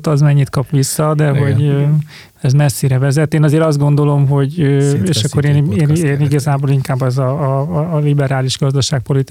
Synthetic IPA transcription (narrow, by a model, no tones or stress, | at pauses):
t̪ɒzmɛɲːit̪̚kɒpʋisːɒd̪ɛɦo̞ɟø | ɛzmɛsːiɾɛvɛzɛt̪ːeːnɒzeːɾɒzd̪ɡo̞nd̪o̞lo̞mɦo̞ɟøeːʃɒkːo̞ɾeːneːneːniɡɒzaːboːliŋkaːbːɛzɒː | libɛɾaːliʒɡɒzd̪ɒʃaːk̚po̞lit̪